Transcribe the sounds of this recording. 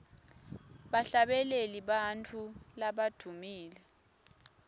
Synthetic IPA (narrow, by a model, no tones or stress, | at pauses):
ɓaɬaɓɛleliɓant͡fʰulaɓad̥ʱumiːlɛ